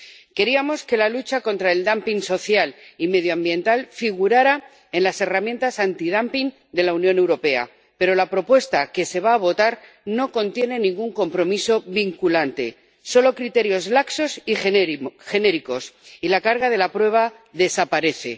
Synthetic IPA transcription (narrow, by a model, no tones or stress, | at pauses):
ke̞ɾiamo̞ske̞lalut͡ʃako̞nt̪ɾae̞ld̪ampiŋso̞θjalime̞ðjoambjẽ̞nt̪alfiɣ̞uɾaɾa | e̞nlase̞ramjent̪asant̪ið̞ampiŋ | d̪e̞launjõ̞ne̞wɾo̞pe̞a̰ | pe̞ɾo̞lapɾo̞pwe̞st̪ake̞se̞β̞aːβ̞o̞t̪aɾ | no̞ko̞nt̪je̞ne̞nĩŋɡuŋko̞mpɾo̞miso̞βiŋkulant̪e̞̰ | so̞lo̞kɾit̪e̞ɾjo̞zlakso̞si | xe̞ne̞ɾiko̞silakaɾɣaðe̞lapɾwe̞β̞a | ðe̞sapaɾe̞θe̞̰